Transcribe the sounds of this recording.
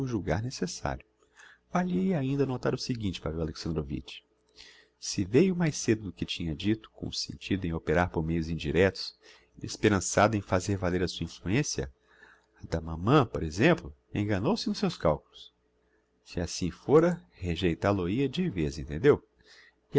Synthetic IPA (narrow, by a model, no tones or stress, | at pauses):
ʊʒuɡa̰ɾnesesa̰ɾjʊ | valiejaĩnd̪ɐnot̪aɾʊsɪɡĩnt͡ʃɪ̥pavɾwaleksɐ̃nd̪ɾovḭt͡ʃɪ̥ | sɪvejʊmajsed̪ʊd̪ʊkɪt͡ʃĩɲɐd͡ʒit̪ʊ̥kõ̰sḛ̃nt͡ʃid̪ʊẽj̃opeɾaɾpoɾmejʊzĩd͡ʒiɾɛt̪ʊ̥s | ḛspeɾɐ̃sad̪ʊẽj̃fazeɾvaleɾɐsuɐĩfluẽsjɐ̰ | ɐd̪ɐmɐ̃mɐ̃poɾezẽmplʊḛ̃ɡɐnowsɪnʊsewskawkʊlʊs | sɪasĩfoɾɐ | heʒejt̪aloiɐd͡ʒivezẽnt̪ẽd̪ew